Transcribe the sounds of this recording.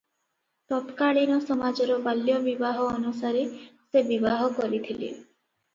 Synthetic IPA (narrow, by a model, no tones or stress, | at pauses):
t̪ɔpkaɭinɔsɔmad͡ʒɔɾɔbaljɔbibaɦɔːnusaɾesebibaɦɔkɔɾit̪ʰilḛ